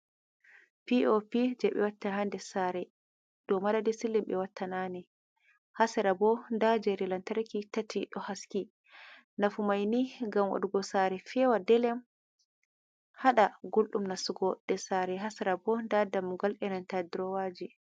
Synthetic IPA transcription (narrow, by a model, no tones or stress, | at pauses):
piʔopid͡ʒɛɓɛ̰watːaɦandɛsaɾɛ | d̥ɔmadadɛsilːimɓɛwatʰːanani | hasɛɾabɔndad͡ʒɛɾilantaɾkitatːiɗɔhaski | nafumajniɡamwa̰ɗuɡɔsaɾɛfɛwadɛlɛm | haɗaɡolɗumnasuɡɔdɛsaɾɛɦasɛɾabɔndadamːuɡalɗɛnantadiɾɔwad͡ʒi